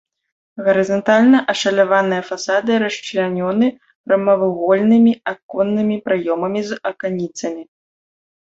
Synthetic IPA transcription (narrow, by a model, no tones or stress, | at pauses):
ɣɐɾɨzɐnt̪alʲnɐʔɐʂɐlʲavanɨjɐfasad̪ɨɾɐʂt͡ʂlʲanʲɔnɨ | ɾɐmɐvɨɣɔlʲnɨmʲiakɔnːɨmʲipɾajɔmɐmʲizɐkanʲit̪sɐmʲi